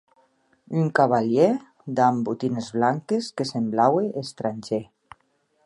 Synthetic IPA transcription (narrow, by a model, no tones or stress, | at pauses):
yŋkaβaʎe | d̪ambut̪inezβlaŋkeskesemblaweʔːst̪ɾaɲʲʒe